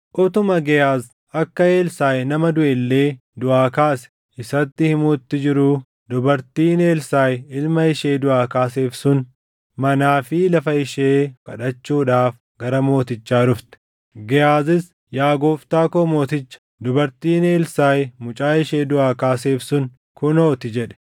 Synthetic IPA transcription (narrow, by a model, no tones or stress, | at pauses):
ʔɔt̪ʊmɐɡɛjaːz | ʔɐkːɐe̞ːlsaːjnɐmɐd̪ʊʔɛlːe̞ː | d̪ʊʔaːkaːsɛ̥ | ʔɪsɐt̪ːɪhɪmuːt̪ːɪd͡ʒɪɾuː | d̪ʊbɐɾt̪iːne̞ːlsaːjɪlmɐɪʃeːd̪ʊʔaːkaːseːfsʊn | mɐnaːfɪlɐfɐɪʃeːkɐᶑɐt͡ʃːuːᶑaːf | ɡ̥ɐɾɐmo̞ːt̪ɪt͡ʃːaːɾʊft̪ɛ̥ | ɡɛjaːzɪs | jaːɡoːft̪aːkoːmo̞ːt̪ɪt͡ʃːɐ̥ | d̪ʊbɐɾt̪iːne̞ːlsaːjmʊt͡ʃʼaːɪʃeːd̪ʊʔaːkaːseːfsʊn | kʊnoːt̪ɪd͡ʒɛᶑɛ̥